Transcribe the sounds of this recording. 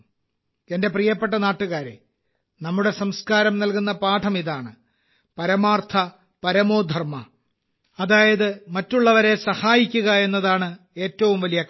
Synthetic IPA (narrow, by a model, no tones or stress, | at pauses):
ende̞prijɐpːe̞ʈ̬ːɐnaːʈːuɣaːɾḛ | nɐmːuɽe̞sɐmskaːɾɐmnɐlkun̪ːɐpaːʈʰɐmiðaːɳɨ | pɐɾɐmaːrt̪ʰɐ | pɐɾɐmo̞ːd̪ʱɐrmɐ | ɐðaːjɐðɨmɐtːuɭːɐʋɐɾe̞sɐhaːjikʲːuɣɐe̞nːɐðaːɳɨ | e̞ːtːɐʋumʋɐlijɐk